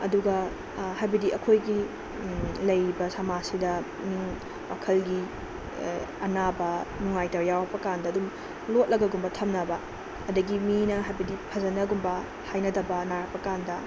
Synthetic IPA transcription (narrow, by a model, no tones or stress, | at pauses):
ɐduɡɐ | hajbɐdiʔɐkʰojɡi | lɐjɾibɐsamasidɐ | niŋ | wakʰɐlɡi | ɐnabɐnuŋajtɐwjawɐpɐkandɐːdum | lot̚lɐɡɐɡumbɐtʰɐmnɐbɐ | ɐdɐɡiminɐɦajbɐdipʰɐzɐnɐɡumbɐ | hajnɐdɐbɐnaɾɐpɐkandɐ